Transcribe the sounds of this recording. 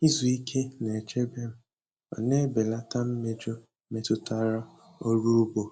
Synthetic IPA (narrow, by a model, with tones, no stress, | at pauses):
i˦zu˨i˦kʰe˦ne˨t͡ʃe˦be˦m̩˦ | ɔ̰˨ne˦be˨la˦ta˦m̩˦me˦d͡ʒo˦ | me˨tʊ˦ta˦ɾa˦ | o˦ɾu˦u˦bo˨